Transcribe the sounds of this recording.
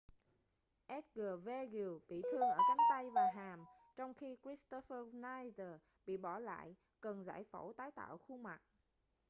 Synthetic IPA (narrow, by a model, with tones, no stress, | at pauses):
ʔɛ˦˥t̚ɣəː˨˩ve˧ɣi˨˩ɓḭ˧˨t̪ʰɨ˧əŋʔəː˧˩t͡ɕa˨˦ŋt̪a˧jvaː˨˩ɦaː˨˩m | t͡ɕɔ˧wŋ͡mxi˧kɾi˦˥st̪o˧fə˧naː˧jzə˨˩ | ɓḭ˧˨ɓɔ˧˩la̰ː˧˨j | kə˨˩nza̰ː˧˩jfo˧˩wt̪aː˨˦jt̪a̰ː˧˨wxu˧ma˨˩t̚